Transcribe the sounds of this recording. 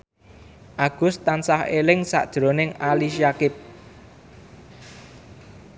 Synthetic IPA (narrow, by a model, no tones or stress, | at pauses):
ʔaɡ̥ʊ̤st̪ansahelɪŋsa̰ʔd̥ʒ̥ɾo̤nɪŋaliʃjakɪp̚